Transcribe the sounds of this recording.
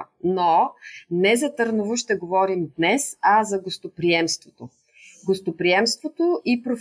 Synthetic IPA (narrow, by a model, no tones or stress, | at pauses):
nonɛzɐt̪əɾnuvoʃt̪ɛɡovɔɾimd̪nɛsazɐɡost̪opɾiɛmst̪vot̪o | ɡost̪opɾiɛmst̪vot̪oʔipɾof